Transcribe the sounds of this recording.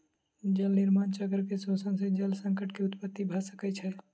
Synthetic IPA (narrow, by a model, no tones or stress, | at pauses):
d͡ʒəlniɾmant͡ʃəɡəɾkesosənsẽd͡ʒəlsəŋkəʈkeut̪pət̪ːibʱəsəkɛt͡ʃʰə